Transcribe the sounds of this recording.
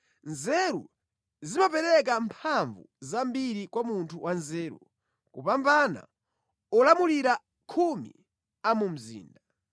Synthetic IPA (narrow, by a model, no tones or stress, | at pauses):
nzɛɾṵ | zimapɛɾɛk̬ampʰaɱvṵzambiɾikwamuntʰuwʔanzɛːɾṵ | kupambana̰ | ɔlamuliɾa | kʰumḭ | amum̩zḭːnda